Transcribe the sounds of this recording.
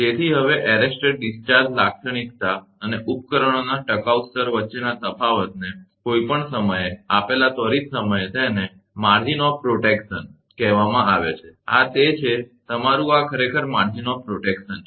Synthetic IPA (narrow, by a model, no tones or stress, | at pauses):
t̪et̪ʰiɦəʋeʔɛɾesʈeɖ̚ɖist͡ʃaɾd͡ʒlakʃəɳ̃ikt̪a | əneʔupkəɾəɳ̃onaʈəkaust̪əɾʋətːʃenat̪əpʰaʋət̪̚nekoipəɳsəməjeapelat̪ɔɾit̪səməjet̪ʰane | maɾd͡ʒinɔfpɾoʈekʃən | kɛɦʋamãaʋet͡ʃʰea̰t̪et͡ʃʰet̪əmaɾũakʰəɾekʰəɾmaɾd͡ʒinɔfpɾoʈekʃən